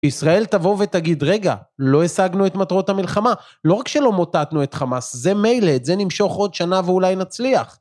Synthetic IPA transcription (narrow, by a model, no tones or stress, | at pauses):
isʁae̞lt̪avo̞ve̞t̪aɡid̪ʁe̞ɡa̰lo̞esaɡnue̞t̪mat̪ʁo̞thamilχama | lo̞ʁakʃe̞lo̞mo̞tat̪nue̞t̪χamaszeme̞jleːtze̞nimʃo̞χo̞d̪ʃanaveulajnat͡sliaχ